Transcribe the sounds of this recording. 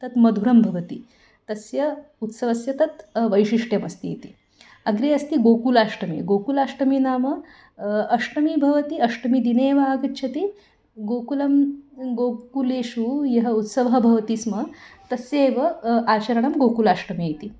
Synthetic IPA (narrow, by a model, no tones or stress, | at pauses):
t̪ɐt̪mɐd̪ʱuɾɐmbʱɐʋɐt̪i | t̪ɐsjɐut̪sɐʋɐsjɐt̪ɐt̪ʋəjʃiʂʈjɐmɐst̪ijḛt̪i | ɐɡɾeːɐst̪iɡoːkulaːʂʈɐmḭɡoːkulaʂʈɐminaːmɐ | ɐʂʈɐmibʱɐʋɐt̪iɐʂʈɐmid̪ineːʋɐaːɡɐt̪ːt͡ʃʰɐt̪i | ɡoːkulɐmɡoːkuleːʃujɐɦɐut̪sɐʋɐɦɐbʱɐʋɐt̪ismɐt̪ɐseːʋɐʔaːt͡ɕɐɾɐɳɐmɡokulaːʂʈɐmiit̪i